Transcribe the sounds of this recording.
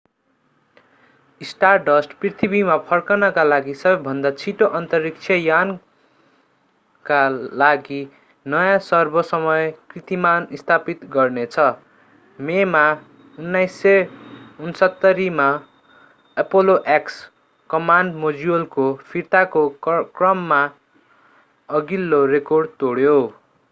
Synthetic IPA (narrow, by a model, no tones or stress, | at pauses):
isʈarɖʌsʈprit̪ʰibimapʰʌrkʌnʌkalaɡisʌbʌjbʱʌnd̪at͡sʰiʈoʔʌnt̪ʌrik̚t͡sʰʌjan | kalaɡi | nʌjãsʌrbʱʌsʌmʌjkrit̪imanist̪ʰapit̪ɡʌrnet͡sʰʌ | mema | unːajsːʌunsʌt̪ːʌɾima | ʌpoloʔeks | kʌmanɖmod͡ziolkopʰirt̪akokrʌmːa | ʌɡilːorekorɖ̚t̪oɽjo